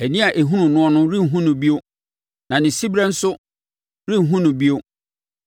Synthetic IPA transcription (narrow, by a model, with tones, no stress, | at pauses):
æ˨nĩ˦a˨ʔe˨ɦũ˦nũ˨nʊ̃˦ɔ˦nʊ̃˦ɾĩ˦˨ɦũ˦nʊ̃˨bi˦o˦ | nã˨nɪ̃˨si˦bɾɛ˦n̩˦sʊ˦ | ɾĩ˦˨ɦũ˦nʊ̃˨bi˦o˦